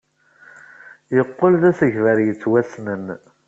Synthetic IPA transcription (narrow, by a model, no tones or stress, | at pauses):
jəqːolðæsəʝvəɾjət͡sːwæsnən